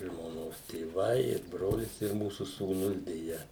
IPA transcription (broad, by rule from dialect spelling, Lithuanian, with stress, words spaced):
ʒmoːˈnoːs tʲeːˈʋɐɪ ɪr ˈbroːlʲɪs ɪr ˈmuːsʊ suːˈnʊs dʲɛˈjɛ